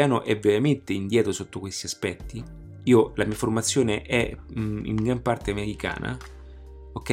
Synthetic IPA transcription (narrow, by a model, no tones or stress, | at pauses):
aːnoʔɛvːeɾament̪eind̪jɛːt̪ɾosot̪ːokwest̪iaspɛt̪ːi | iːolamiːaformat̪sːjoːneʔɛḭŋɡɾampart̪eameɾika̰ːna̰ | okːɛ